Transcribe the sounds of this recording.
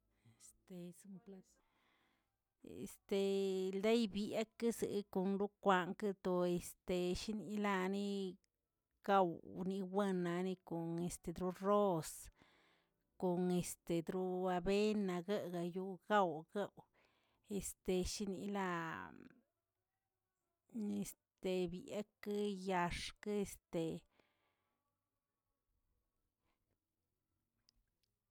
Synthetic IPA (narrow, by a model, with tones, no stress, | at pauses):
e˨st̪e˨su˦mp | ḛ˨st̪e˧ld̪e˦jbi˦a˦kɨ˦sɨ̰˧˨˦ko˧nɾu˦kʷa˧ŋkɨ˦t̪o˧e˨st̪e˨ʃi˦ni˧la˦˧ni˦ | ɡ̥a˦wni˧we˦na˧ni˧ko˨ne˨st̪e˧d̪ɾu˧ro˦s | ko˨ne˧st̪e˨d̪ɾu˦a˧be˦na˧ɡa˦ɡa˧ju˧ɡ̥a˦wɡa˦w | e˨st̪e˧ʃi˦nḭ˧la˧ | e˨s | t̪e˨bjḛ˦kɨ˦ja˧ʂke˧st̪e˨